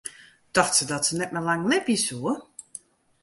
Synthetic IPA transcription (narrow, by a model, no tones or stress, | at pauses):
d̥ɔxtsədɔtsənɛt̚malaŋnɛbjisuə